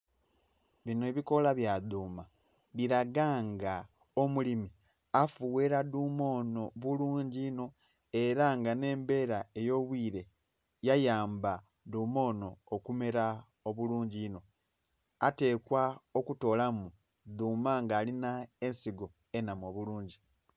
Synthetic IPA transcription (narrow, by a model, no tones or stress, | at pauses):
βinoeːβiko̞laβjaduːma | βiɾaɡaŋɡa | o̞mulimi | afuwe̞ɾaduːmo̞ːno̞βuluːɲɟino̞ | e̞ɾaŋɡane̞ːmbe̞ːɾaejo̞ːβwiːɾe̞ | jajaːmba | duːmo̞ːno̞ːkume̞ɾa | oβuluːɲɟino̞ | a̰te̞ːkwao̞kuto̞ːlamu | ðuːmaŋɡaːlinae̞nsiɡo̞ | e̞namo̞ːβuluːɲɟi